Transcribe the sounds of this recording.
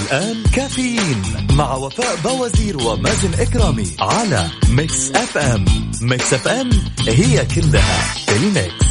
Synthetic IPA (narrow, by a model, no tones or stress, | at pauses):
ʔalʔaːnkaːfɪjiːnmaʕwafaːʔbaːwaziːɾwɪmaːzɪnʔɪkɾɑːmiʕala̰mɪksʔafʔamːɪksʔafʔɪmhɪjːakɪlːaha̰t̪ɪlmɪk